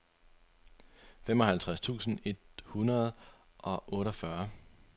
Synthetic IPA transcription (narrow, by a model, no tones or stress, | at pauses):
femɒ̽hælt͡sʰʁast͡sʰṵːsn̩e̝d̥hunɐð̞̩ˠ | ʔɒ̽ʔɔ̽ːɾɒfɶɐ